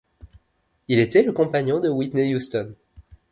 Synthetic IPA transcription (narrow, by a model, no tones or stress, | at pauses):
ilet̪ɛləkɔ̃paɲjɔ̃d̪əwit̪nejust̪ɔn